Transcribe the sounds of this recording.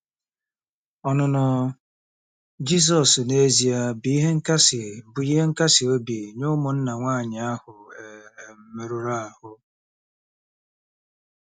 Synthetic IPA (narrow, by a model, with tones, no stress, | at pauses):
ɔ˨nʊ˨nʊ˨ | d͡ʒi˦s̬ɔ˨sne˦zi˨a˦bi˨i˦ɦe˦ŋ̩˦ka˦sɪ˨bʊ˨i˦ɦe˦ŋ̩˦ka˦sɪ˨o˦bi˨ɲʊ˦mʊ˨n̩˦na˨ŋʷa˦˨ɲɪ˨a˦hʊ˨e˨m̩˨˦me˨ɾo˦ɾa˦a˨hʊ˨